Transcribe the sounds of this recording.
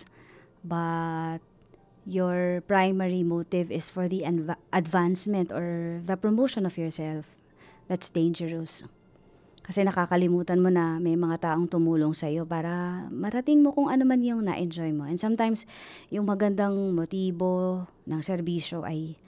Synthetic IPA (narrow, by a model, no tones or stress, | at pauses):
bɐt̪̚ | joɔɹpɹajmɛɹimot̪ɪvɪsfɔɹðiʔɐd̪vansmɛ̃nt̪oɹðɐpɹomowʃonɔfjɔɹsɛlf | ðɐt̪sd̪ẽjnd͡ʒɛɹʊs | kɐsɛnɐkakɐlɪmuːt̪ɐnmo̞nɐmɐjmɐŋat̪aːʔo̞ŋt̪ʊmuːloŋsɐjo̞paːɾɐmɐɾɐt̪ɪŋmo̞kʊŋɐnomanjʊŋnɐ̰ʔɛnd͡ʒojmoʔɛnd̪sɐmt̪ajmsjʊŋmɐɡɐnd̪aŋmot̪iːbo̞ | nɐŋsɛɾbiːʃo̞ʔɐj